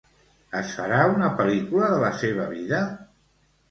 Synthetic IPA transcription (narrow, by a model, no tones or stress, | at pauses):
əsfə̰ɾaunəpəlikuləðələseβ̞əβiðə